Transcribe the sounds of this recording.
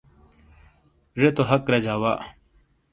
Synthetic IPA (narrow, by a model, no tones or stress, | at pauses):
ʐet̪oɦɐkɾɐd͡ʑaːwaː